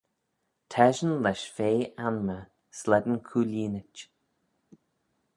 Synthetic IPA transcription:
tʰɛʒənlɛʃfeːʔanmə | slɛd̪ənkʰuːlʲiːnɪt͡ʃ

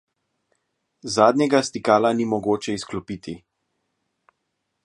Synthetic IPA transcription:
zaːd̪nʲɲɛɡast̪ikaːlanimɔɡoːt͡ʃɛisklɔpiːt̪ʰi

